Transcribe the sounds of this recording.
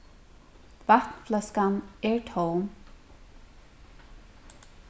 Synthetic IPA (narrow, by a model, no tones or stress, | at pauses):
vat̪nflɛskanɛɹtʰowm